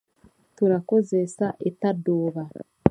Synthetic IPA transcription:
tuɾako̞zesaʔetadoːβa

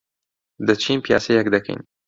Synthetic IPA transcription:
d̪ɐt͡ʃʰiːnpija̰ːsejɛkd̪ɐkʰḛjn

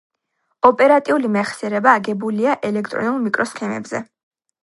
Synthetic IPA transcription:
ɔpʼɛɾat̪ʼiulimɛχsɛɾɛbaːɡɛbuliaʔɛlɛkʰt̪ʼɾɔ̰nulˠmikʼɾɔskʰɛmɛ̰bzɛ̰

